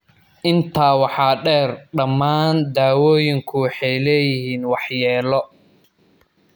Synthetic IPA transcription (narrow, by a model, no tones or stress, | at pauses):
ʔɪnt̪ʰaːwɑħɑːɖɛːrɖɐmːaːnd̪aːwɔːjɪŋkʰʊwɑħɛjlɛːjɪɦiːnwɑħjɛːlɔ